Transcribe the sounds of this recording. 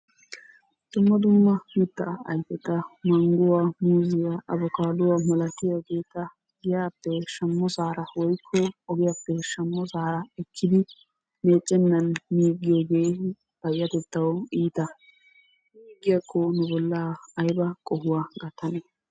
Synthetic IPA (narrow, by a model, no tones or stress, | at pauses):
d̪̥ʊmːɐd̪ʊmːɐmɪt̪ːɐɐjfɛt̪ːɐmɐŋɡʊwamuːzɪjaʔɐbɔkaːd̪ʊwamɐlɐkːɪjɐɡe̞ːt̪ːɐ | ɡɪjaːpːɛʃɐmːɔsaːɾɐwɔjkʰːɔɔɡɪjapːɛʃɐmːɔsaːɾɐɛkʰːɪd̪ɪ | me̞ːt͡ʃʼːɛnːɐnmiːɡːɪjoɡe̞ː | b̥ɐjːɐt̪ɛt̪ːɐwiːt̪ɐ | miːɡːɪjɐkʰːɔnʊbɔlːaɐjbɐkʼɔhʊwaːɡɐt̪ːɐne